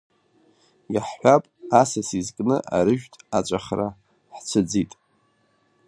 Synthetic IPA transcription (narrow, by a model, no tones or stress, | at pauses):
jaħħʷapʼasasizkʼnɨʔa̰ɾɨʒᶣtʼat͡ʃʷʼaχra | ħt͡ɕʷʰɨd͡zitʼ